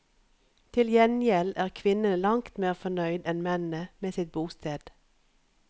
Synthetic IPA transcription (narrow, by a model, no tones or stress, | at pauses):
t̪ʰɪljɛnjɛlæːʁkʰʋɪnəlɑŋkt̪meːʁfɔnœʏd̪ɛnmɛnəmeːsɪt̪̚buːst̪ʰeːd̪̥